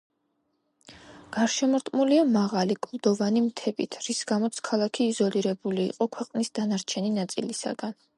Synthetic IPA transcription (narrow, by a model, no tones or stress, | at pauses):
ɡ̥aɾʃɛmɔɾt̪ʼmuliamaʁalikʼlˠd̪ɔvanimt̪ʰɛbit̪ʰɾisɡamɔt̪sʰkʰalˠakʰiːzɔliɾɛbulḭːqʼɔkʰwɛqʼnisd̪anaɾt͡ʃʰɛninat̪sʼḭlisa̰ɡan